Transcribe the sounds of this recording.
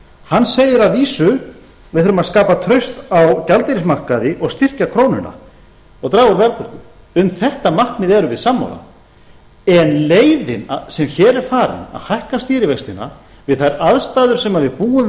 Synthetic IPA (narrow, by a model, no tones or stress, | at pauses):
hanːseːjɪɾaðviːsʏ | vɪðθʏɾʏmaðskaːpat̪ʰɾœɥst̪awcalt̪eɾɪsmar̥kaðɪʔɔɣst̪ir̥cakʰɾoːwnʏ̰na̰ | ɔɣt̪ɾaːɣʏɾvɛlpʏɾ̥t̪ʏ | ʏmθɛht̪amar̥knɪðɛɾʏvɪðsamːo̰wla̰ | ɛnleːjðɪ̰na̰sɛmçɛːɾɛɾ̥faːɾɪ̰na̰ðhajhkast̪iːɾɪvejkst̪ɪnːa̰ | vɪðθajɾaðst̪aːðʏɾ̥sɛmaðvɪðpuːʏm